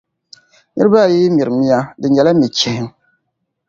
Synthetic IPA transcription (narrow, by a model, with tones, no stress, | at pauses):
nɨ˦ɾɨ˦ba˦˨ji˦mi˨ɾɨ˨mi˦ja˦dɨ˨ɲɛ˨la˦mi˨t͡ʃɛ˨hɪ˦m